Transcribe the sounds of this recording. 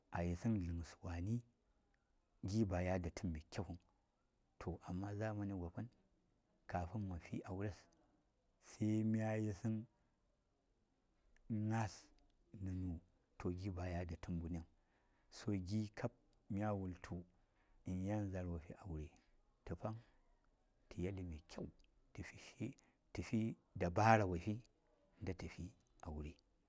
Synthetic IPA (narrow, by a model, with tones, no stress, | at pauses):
a˨ji˨si˦nɮɨ˨ŋ˨swa˨ni˦ | ɡʲi˦ba˨ja˦da˨tʰu˦mbi˨kʲe˦ku˦n | tʰo˨ʔa˨mːa˦za˦ma˦ni˦ɡʷa˨pa˦n | ka˨ɸu˦nma˨fḭ˦ʔa˨wu˦ɾe˦s | se˦mi˦a˦je˦si˦n | na˦s | nɨ˨nu˨ | to˨ɡi˦ba˨ja˦da˨tu˦mbu˨n˦e˦˨ŋ | so˨ɡi˦kʰa˦p̚ | mi˦a˦wu˨ltʰu˨ | i˨n˦ja˦n˦za˨ɾwa˨fḭ˦ʔa˨wu˨ɾe˨ | tə˨pa˦ŋ | tʰi˨ja˦li˨me˨kʲʰa˦˨wu˨ | ti˨fi˦ʃi˦ | ti˨fi˦da˨ba˦ɾa˨wa˨fi˦˨ | nda˦tə˨fi˦ | a˨wu˨ɾe˨